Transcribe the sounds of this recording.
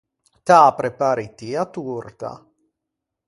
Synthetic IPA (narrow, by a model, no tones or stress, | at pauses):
t̪apɾepaːɾit̪iat̪urt̪a̰